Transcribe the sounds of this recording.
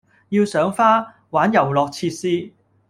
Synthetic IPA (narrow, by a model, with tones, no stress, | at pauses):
ji˧wsœː˨˥ŋfaː˥ | waː˨˥njɐ˨˩wlɔː˨k̚t͡sʰiː˧t̚siː˥